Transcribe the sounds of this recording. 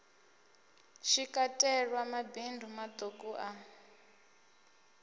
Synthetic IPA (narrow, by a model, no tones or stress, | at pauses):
ʃikʼatʼɛɺwamabindʱumat̪ʼokʼuʔa